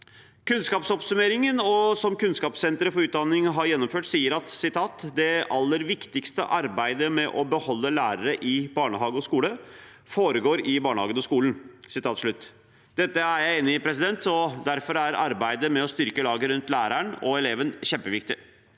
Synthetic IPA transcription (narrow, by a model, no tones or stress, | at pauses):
kʉnskɑːpsɔpsʉmeːɾɪŋənɔsɔmkʉnskɑːpsɛnt̪ɾəfɔɾʉːt̪̚d̪ɑnːɪŋəɦɑɾjɛnːɔmføːʈsiːəɾɑt̪sɪt̪ʰɑːt̪d̪ɛʔɑlːəɾʋɪkt̪ɪkst̪ə̰ʔɑɾbæɪd̪əmɛʔɔbəhɔlːəlæːɾəɾəʔɪbɑːɳəɦɑːɡəɔskuːlə | foːɾəɡoːɾɪbɑːɳəhɑ̰ːɡənɔskuːln̩sɪt̪ʰɑːt̪ʂɭʉt̪ː | d̪̥ɛt̪ːəæɾjæɪeːnːɪɪpʰɾɛs̬ɪd̪ɛnt̪ɔd̪æɾfɔɾæɾɑ̰ɾbæɪd̪əmɛɔst̪ʏɾkəlɑːɡəɾʉnt̪læːɾæɳɔɛleːʋənçɛmpəʋɪk̚t̪ɪ